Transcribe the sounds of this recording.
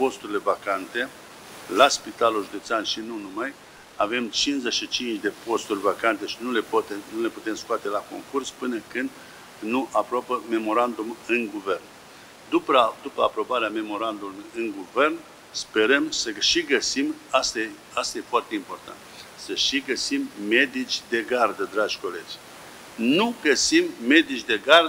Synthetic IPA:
po̞st̪uɾile̞vakant̪e̞ | laspit̪alulʒud̪et̪seanʃinunumaj | ave̞mt͡ʃinzeʃit͡ʃint͡ʃd̪e̞po̞st̪urʲvakant̪e̞ʃinulept̪enule̞put̪e̞mskoat̪e̞lako̞̰ŋkurspɨnəkɨnd̪ | nuʔapɾoapəme̞mo̞ɾand̪umɨnɡuve̞rn | d̪upd̪upəa̰pɾo̞baɾeame̞mo̞ɾand̪umɨŋɡuve̞rn | spe̞ɾəmsəʃiɡəsimast̪ | ast̪aje̞foart̪e̞impo̞rt̪a̰nt̪səʃiɡəsimːe̞d̪it͡ʃʲd̪e̞ɡard̪əd̪ɾad͡ʒʲko̞le̞d͡ʒʲ | nuɡəsimme̞d̪it͡ʃʲd̪e̞ɡar

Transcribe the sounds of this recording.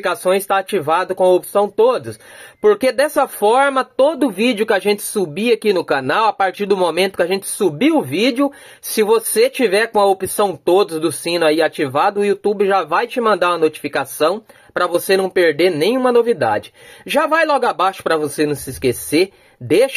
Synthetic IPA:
ikasõj̃zɪst̪aat͡ʃivad̪ʊkõɐopi̥sɐ̃w̃t̪od̪ʊspoɾked̪ɛsɐfɔɾmɐt̪od̪ʊʊvid͡ʒɪʊkɪaʒẽnt͡ʃɪ̥subiakinʊkanawapaɾt͡ʃiɾd̪ʊmomẽnt̪ʊkɪaʒẽnt͡ʃɪ̥subiwʊvid͡ʒɪʊ | sɪvoset͡ʃivɛɾkõɐopisɐ̃w̃t̪od̪ʊzd̪ʊsĩnʊaiat͡ʃivad̪ʊʊiut̪ubɪʒavajt͡ʃɪmɐ̃nd̪aɾũɐnot͡ʃi̥fikasɐ̃w̃ | pɾɐvosenɐ̃w̃peɾd̪eɾnẽj̃ũmɐnovid̪a̰d͡ʒɪʒavajlɔɡʊabaʃʊ̥pɾɐvosenɐ̃w̃sɪskeseɾ | d̪eʃ

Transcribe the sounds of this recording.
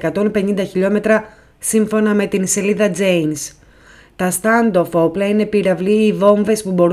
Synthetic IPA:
kɐt̪o̞npe̞nind̪ɐçiʎo̞me̞t̪ɾɐ | siɱfo̞nɐme̞t̪inse̞liðɐd͡ze̞jns | t̪ɐst̪ɐnd̪o̞fo̞plɐine̞piɾɐvliːvo̞ɱve̞spubo̞ɾu

